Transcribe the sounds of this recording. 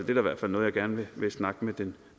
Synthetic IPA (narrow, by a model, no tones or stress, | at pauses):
d̥e̝æɐiʋæɐ̰d̥fæl̰nɔ̽ːjɑ̈ɡ̥æɐnʋe̝ʋe̝snɑ̈ɡ̥əmed̥en